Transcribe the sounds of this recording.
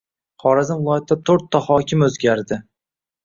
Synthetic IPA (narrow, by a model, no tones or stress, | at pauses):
χɒɾazɪnvɪlˠɒjat̪ʰɪd̪at̪ʰoɾt̪ʰːɒhɒkʲʰɪmɵzɡʲaɾd̪ɪ